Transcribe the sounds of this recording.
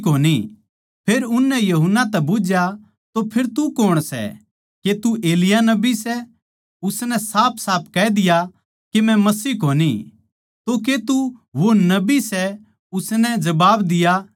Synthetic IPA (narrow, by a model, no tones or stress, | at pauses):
koːni | pʰeːɾʊnːɛjɐɦʊnːat̪ɛbʊd͡ʒja | t̪opʰeɾt̪ukoːɽ̃sɛ̰ | ket̪ueːlɪjanɐbisɛ | ʊsnɛsaːpʰsaːp̚ʰkɛːd̪ɪja | kemɛ̃mɐsiːɦkoːni | t̪ok̬et̪uʋonɐbisɛ | ʊsnɛd͡ʒɐbaːbd̪ɪja